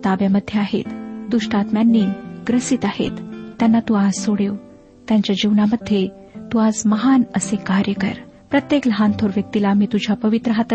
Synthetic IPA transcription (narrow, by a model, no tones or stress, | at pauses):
t̪abjaməd̪ʱːjeaɦḛt̪d̪uʂʈat̪mjanːiːɡɾəsit̪ahḛt̪ːjanːat̪uad͡zsoɽew | t̪jãɲt͡ɕjad͡ʑiʋnaməd̪ʱːje | t̪uad͡zməɦanəsekaɾjəkə̰ɾpɾət̪jeklɦant̪ʰoɾʋjək̚t̪ilamiːt̪ud͡ʑʱjapəʋit̪ɾəɦat̪